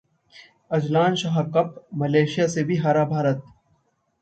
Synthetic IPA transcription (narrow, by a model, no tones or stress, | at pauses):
ɐd͡ʒlaːnʃɐɦakɐpmɐleːʃijasebʱiɦaːɾabʱaːɾət̪̚